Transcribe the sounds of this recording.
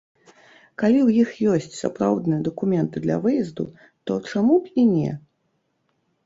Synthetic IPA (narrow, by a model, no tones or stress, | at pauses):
kalʲiwjixjɔsʲt͡sʲsa̰pɾawd̪nɨjɐd̪ɐkumʲɛnt̪ɨd̪lʲɐ̰vɨjɐzd̪ṵ | t̪ɔt͡ʂamupinʲɛ̰